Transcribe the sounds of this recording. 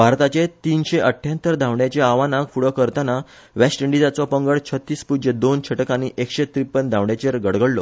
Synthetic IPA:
bʱaɾt̪at͡ɕet̪iːnɕeʔəʈʰːjat̪ːəɾd̪ʱãʋɳjat͡ɕeaʋanaɡfuɽɔkəɾt̪ana | ʋesʈəɳɖid͡zat͡sɔpəŋɡəɭt͡ɕʰət̪ːiːspud͡ʑəd̪ont͡ɕʰəʈkaniʔekɕet̪ɾipːənd̪ʱaʋɳjat͡ɕeɾɡəɽɡəɽlɔ

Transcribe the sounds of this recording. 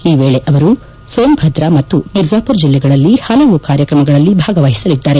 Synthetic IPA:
iːʋeːɭeʔɐʋɐɾu | soːmbʱɐd̪ɾamɐt̪ːuniɾd͡ʒaːpuɾd͡ʒilːɛɡɐɭɐlːihɐlɐʋukaːɾjɐkɾɐmɐɡɐɭɐlːibʱaːɡɐʋaːɦisɐlid̪ːaːɾe̞

